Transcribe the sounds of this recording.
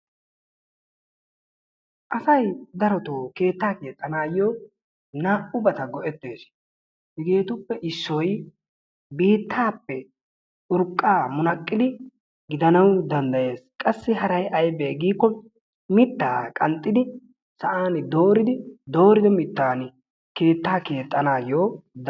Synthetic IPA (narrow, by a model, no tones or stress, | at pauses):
ʔɐsɐjd̪ɐɾɔt̪oːke̞ːt̪ːaːkeːt̪ʼːɐnaːjoː | naːʔʊbɐt̪ɐɡɔʔɛt̪ːeːs | hɪɡe̞ːt̪ʊpːɛʔɪsːɔj | biːt̪ːaːpːɛ | ʊɾkʼːaːmʊnɐkʼːɪd̪ɪ | ɡɪd̪ɐnɐwd̪ɐnd̪ɐje̞ːskʼɐsːɪhɐɾɐjʔɐjbeːɡiːkːɔ | mɪt̪ːa̰ːkʼɐnt̪ʼːɪd̪ɪ | sɐʔaːnɪd̪o̞ːɾɪd̪ɪd̪o̞ːɾɪd̪ɪmɪt̪ːaːnɪ | ke̞ːt̪ːaːke̞ːt̪ʼːɐnaːjoːd̪